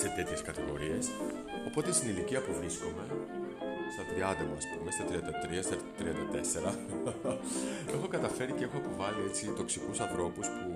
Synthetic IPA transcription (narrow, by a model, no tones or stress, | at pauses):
set̪e̞t̪çe̞skɐt̪iɣo̞ɾie̞s | o̞po̞t̪est̪iniliciɐpuvɾiskome̞ | st̪ɐt̪ɾiɐnd̪ɐmɐspumest̪ɐt̪ɾiɐnd̪ɐt̪ɾiɐst̪ɐt̪ɾiɐnd̪ɐt̪e̞se̞ɾɐ | e̞xo̞kɐt̪ɐfe̞ɾice̞e̞xoːpo̞vɐlie̞t͡sit̪o̞ksikusɐθɾo̞puspu